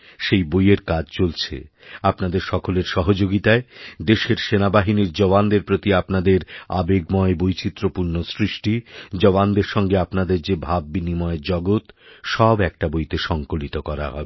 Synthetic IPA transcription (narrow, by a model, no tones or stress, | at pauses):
ʃejbojeɾkad͡ʑt͡ɕolt͡ɕʰḛ | apnad̪eɾʃɔkoleɾʃɔɦod͡ʑoɡit̪aed̪eʃeɾʃenabaɦiniɾd͡ʑɔband̪eɾpɾot̪iapnad̪eɾa̰beɡmɔebojt͡ɕit̪ːɾopuɾnosɾiʃʈid͡ʑɔband̪eɾʃɔŋɡeapnad̪eɾd͡ʑebʱab̚ːbinimɔed͡ʑɔɡot̪ʃɔbɛk̚ʈabojt̪eʃɔŋkolit̪okɔɾa̰ɦɔ̰ebe